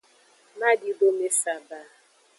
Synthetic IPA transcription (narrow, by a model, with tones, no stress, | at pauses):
ma˦di˨bo˦me˦sa˨ba˦˨